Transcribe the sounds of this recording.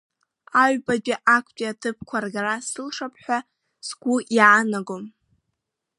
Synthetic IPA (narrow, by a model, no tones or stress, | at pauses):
aɥbaɡʲʼiʔakʷʰtʼiatʰɨpʰkʷʰarɡarasɨlʂapʰħʷᶣa | sɡʷujaːnaɡom